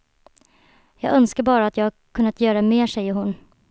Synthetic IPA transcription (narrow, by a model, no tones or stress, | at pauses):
jɑːɡœnskaɾbɑːɾaːt̪jɑːɡa | kʰɵnːat̪jœːɾaɛmeːʂɛjːəɾhʊn